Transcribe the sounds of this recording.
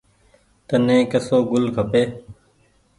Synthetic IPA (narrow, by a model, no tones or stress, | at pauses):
t̪ənẽːkəsoːɡʊlkʰəpeː